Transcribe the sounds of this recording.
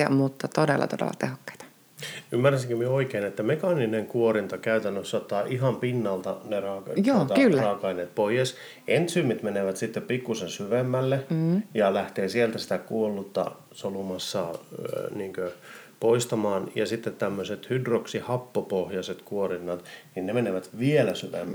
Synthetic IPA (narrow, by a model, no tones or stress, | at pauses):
ɑ̰mut̪ːɑt̪odḛlːɑ̰t̪odḛlːɑ̰t̪ehokːɑ̥i̥t̪ɑ̥ | ymːæræsiŋkømieoikeːnet̪ːæmekɑnineŋkuorint̪ɑkæyt̪ænːøsːɑt̪ːɑːʔiɦɑmpinːɑlt̪ɑnerɑːkjoːt̪ɑkylːrɑːkɑineːt̪̚poijes | ʔent̪symːit̪meneʋæt̪sit̪ːeppikːusensyʋemːælːejɑlæht̪eːsielt̪æsi̥t̪ækuolːut̪ːɑ̰ | solumɑsːɑ | niːŋkøpoist̪ɑmɑːnjɑ̰sit̪ːet̪t̪æmːøset̪hydroksihɑpːopohjɑset̪kuorinːɑt̪ninnemeneʋæt̪ʋielæsyʋḛmːæ